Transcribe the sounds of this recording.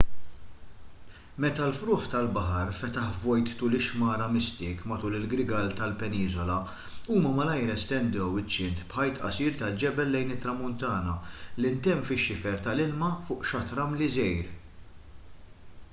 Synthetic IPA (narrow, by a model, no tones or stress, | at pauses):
mɛt̪ɐlfɾʊːħt̪ɐlbɐħɐɾfɛt̪ɐħvɔjt̪ːuːlɪʃmɐːɾɐmɪst̪ɪːkmɐt̪uːlɪlɡɾɪɡɐlt̪ɐlpɛniːzɔlɐ | uːmɐmɐlɐjɾɛst̪ɛnd̪ɛwɪt͡ʃːɪnt̪pħɐjt̪ʔɐ̰siːɾt̪ɐld͡ʒɛbɛlːɛjnɪt̪ːɾɐmʊnt̪ɐːnɐlɪnt̪ɛmːfɪʃːɪfɛɾt̪ɐlɪlmɐfʊːʔʃɐt̪ɾɐmlizɛjɾ